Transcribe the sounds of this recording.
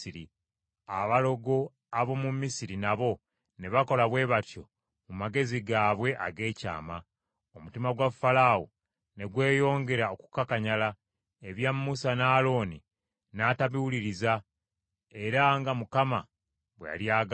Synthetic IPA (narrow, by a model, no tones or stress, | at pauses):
iɾi | aβalo̞ɡo̞ | aβo̞mumːisiɾinaβo̞ | ne̞βako̞laβwe̞ːβatjo̞̰ | mumaɡe̞ziɡaːβwe̞ʔa̰ɡe̞ːca̰ːma | omutimaɡwafalaːwo | ne̞ɡwe̞ːjo̞ːŋɡe̞ɾaoku̥kakaɲala | eβjamːusanaːlo̞ːni | naːtaβiwuliɾiza | e̞ɾaŋɡamukama | βweja̰ljaːɡ